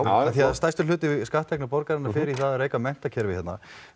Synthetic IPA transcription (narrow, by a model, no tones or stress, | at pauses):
aθiaðst̪ajst̪ʏlʏːt̪ɪɪskaht̪ʰɛknapɔɾkaɾɪnːafɪːɾiθaðareːjkamɛn̥t̪acʰɛɾvɪ̥hɛt̪na̰